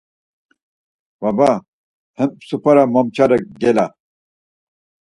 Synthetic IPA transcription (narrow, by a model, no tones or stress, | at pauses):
wɐba | hempsupɐɾamomt͡ɕadɐkɡela